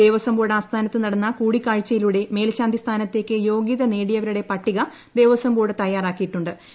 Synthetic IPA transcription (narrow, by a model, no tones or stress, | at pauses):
eːʋɐsɐmboːɽaːst̪ʰaːnɐt̪ːɨnɐɽɐnːɐkuːɽikːaːɻt͡ɕːɐjiluɽe̞me̞ːlɕaːnd̪ist̪ʰaːnɐt̪ːe̞ːkːɨjo̞ːɡiðɐne̞ːɽijɐʋɐɾuɽe̞pɐʈːiɣɐ | d̪e̞ːʋɐsɐmboːɽɨt̪ɐjːaːraːkːijiʈːuɳɖɨ